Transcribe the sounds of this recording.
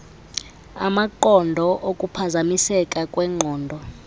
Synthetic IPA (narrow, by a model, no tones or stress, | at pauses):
a̰maǃɔndʱɔʔokʼupʰazamisɛkʼakʼwɛːŋ͡ǃʱɔːndʱɔ